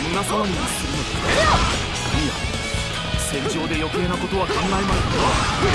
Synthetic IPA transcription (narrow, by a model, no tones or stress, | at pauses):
mɯnasamaɲ̟inasi̥sɯɾɯ̟nod̪esa | ia | sẽ̞ɲ̟d͡ʑo̞ːd̪e̞jo̞ke̞ːnako̞t̪o̞β̞akãŋɡaemaik̪oo